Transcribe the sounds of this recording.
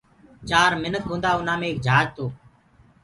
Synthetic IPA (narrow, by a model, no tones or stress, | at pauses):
t͡ʃaːɾmɪnək̚ɦõːnd̪aːʊn̤ãːmẽːk̚d͡ʒʱaːd͡ʒt̪oː